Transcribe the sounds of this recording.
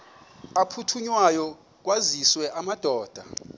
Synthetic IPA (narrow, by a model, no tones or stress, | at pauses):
apʰutʰuɲwajɔ | k̬waziswɛʔamad̥ʱɔːd̥ʱa̰